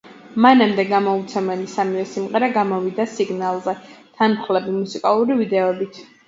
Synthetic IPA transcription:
manamd̪ɛɡamɔut̪sʰɛmɛlisamivɛsimʁɛɾaɡamɔvid̪asiɡnalˠzɛt̪ʰanχlɛbimusikʼalˠuɾivid̪ɛɔbit̪ʰ

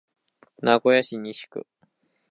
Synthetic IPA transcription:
naɡo̞jaɕiɲ̟iɕi̥kɯ̟̰

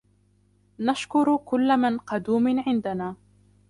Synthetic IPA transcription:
naʃkʊɾkʊlːamanqɑd̪uːmʕɪnd̪anaː

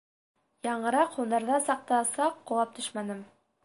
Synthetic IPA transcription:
jɑɴɤ̆ɾɑqhund̪ɑɾðɑsɑq̚t̪ɑsɑqːŏlˠɑp̚t̪ɵʃmænɘm

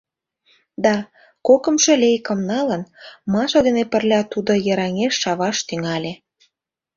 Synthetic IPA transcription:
d̪ɑ | kokə̆mʃĕlʲejkə̆mnɑlənmɑʃɑd̪enepə̆rlʲɑt̪ud̪ojəɾɑŋeʃːɑβɑʃt̪yŋɑlʲe

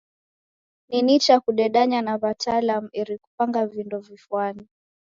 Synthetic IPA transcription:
ninit͡ʃakuɗɛɗaɲanaβatʰalamuɛɾiku̥paŋɡavindɔvifuani

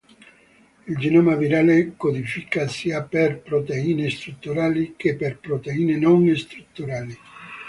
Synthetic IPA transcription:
ild͡ʒenɔmaviɾaːlekod̪ifikasiaperpɾot̪eiːnest̪ɾut̪ːuɾaːlikepːerpɾot̪eiːnenoŋest̪ɾut̪ːuɾaːli

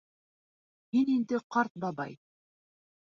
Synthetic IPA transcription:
minind̪ɘqɑɾt̪̚bɑbɑ̰j

